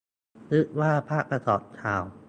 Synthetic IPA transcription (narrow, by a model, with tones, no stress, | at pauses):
lɯ˦˥ʔwaː˥˩pʰaː˥˩k̚pɾa˧sɔː˨˩˦p̚t͡ɕʰaː˨˩w